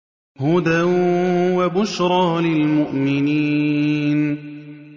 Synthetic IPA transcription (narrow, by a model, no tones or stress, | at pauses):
hʊd̪awwabʊʃɾˤɑːlɪlmʊʔmɪniːn